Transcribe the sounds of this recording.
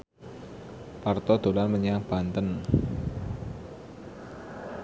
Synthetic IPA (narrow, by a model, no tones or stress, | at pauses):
part̪ɔd̪̥o̤lanməɲab̥a̤nt̪ən